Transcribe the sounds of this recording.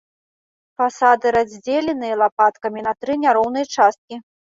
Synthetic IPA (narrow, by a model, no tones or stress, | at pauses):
fasad̪ɨɾazʲd͡zʲelʲɛnɨjɐlˠapat̪kɐmʲinɐt̪ɾɨnʲaɾɔwnɐjt͡ʂast̪̚kʲi